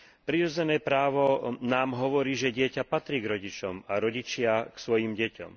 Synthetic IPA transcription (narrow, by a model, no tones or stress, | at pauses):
pɾiɾɔd͡zɛnɛːpɾaːʋɔnaːmɦɔʋɔɾiːʒɛɟɪɛcapat̪ɾiːɡɾɔɟit͡ʃɔmaɾɔɟit͡ʃɪaksʋɔjimɟɛcɔ̰m